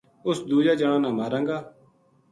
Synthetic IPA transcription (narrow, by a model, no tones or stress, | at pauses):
ʊsd̪uːd͡ʒaːd͡ʒəɽ̃ãːnãːmaːɾãːŋɡaː